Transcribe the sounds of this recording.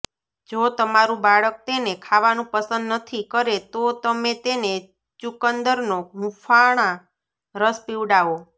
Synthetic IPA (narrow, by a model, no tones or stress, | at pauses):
d͡ʒot̪əmaɾũbaɭək̚t̪enekʰaʋanũpəsənd̪nət̪ʰikəɾet̪ot̪əmet̪ene | t͡ʃukənd̪əɾnoɦũfʰaɽ̃ã | ɾəspiʋɖaʋo